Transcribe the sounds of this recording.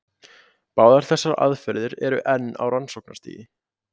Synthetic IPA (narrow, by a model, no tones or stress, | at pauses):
paːwðaɾ̥θɛsːaɾa̰ðfɛɾðɪɾɛɾʏʔɛnːa̰wransowkna̰̥t̪ḭːjɪ